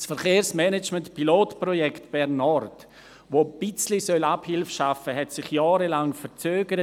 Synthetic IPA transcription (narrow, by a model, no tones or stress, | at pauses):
sfɛɾχeːɾsmɛnɛt͡ʃmɛntpiloːtprɔjɛktb̥ɛɾnɔrt | ʋob̥ɪt͡slisœlaphɪlfʃafəɦɛtsɪχjaːɾəlaŋfɛɾt͡søːɡəɾə